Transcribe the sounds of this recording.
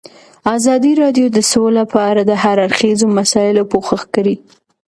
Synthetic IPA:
ɑzɑd̪iɾɑɖjod̪əsolapʰɑɾad̪əɦaɾaɾxezomasɑjɪlopoxəxkaɾi

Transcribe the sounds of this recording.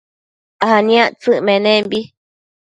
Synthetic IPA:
ahanĩãʔt͡sɨʔmẽnẽmbi

